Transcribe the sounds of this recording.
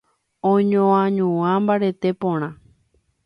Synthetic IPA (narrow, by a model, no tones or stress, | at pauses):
õɲõãɲũãmbaɾet̪epõɽ̃ã